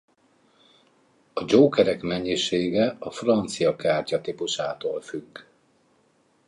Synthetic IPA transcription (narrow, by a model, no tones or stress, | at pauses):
ɒd͡ʒoːkɛɾɛkmɛɲːiʃeːɡɛɒfrɒnt̪sijɒkaːrcɒt̪ipuʃaːt̪oːlfyɡː